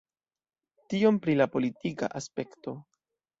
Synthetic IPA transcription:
tio̞mpɾilapo̞litika̰ʔaspe̞kto̞

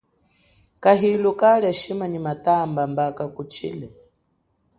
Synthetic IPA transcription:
kaɦilukaliaʃimanimatambambakakut͡ʃʰḭːlɛ

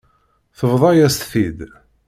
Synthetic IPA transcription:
θəvðˤɑjæst̪θid̪

